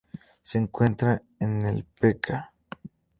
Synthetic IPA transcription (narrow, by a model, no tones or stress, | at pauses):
seːŋkwent̪ɾa | enḛlpekʰa